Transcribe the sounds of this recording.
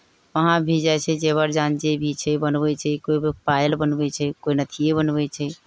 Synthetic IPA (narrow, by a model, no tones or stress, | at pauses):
ʋəɦãbʱid͡ʒajt͡ʃʰɛd͡ʒeβəɾd͡ʒand͡ʒebʱit͡ʃʰɛbənbɛt͡ʃʰɛkoibipajlbənbɛt͡ʃʰɛkoinət̪ʰijebənbɛt͡ʃʰɛ